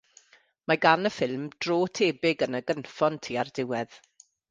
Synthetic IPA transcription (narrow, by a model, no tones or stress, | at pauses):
maɡanəfɪlˠmd̥roːtʰeːbɪɡənəɡənfɔntʰiːardɪwɛð